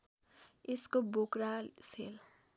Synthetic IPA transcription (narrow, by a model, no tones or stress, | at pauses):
eskobokɾasel